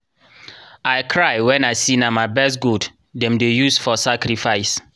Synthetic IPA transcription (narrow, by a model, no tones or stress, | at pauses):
aɪkʰɹajwɛ̃naɪsinamaɪbɛstɡud | dɛ̃mdejusfɔsakɾifaɪs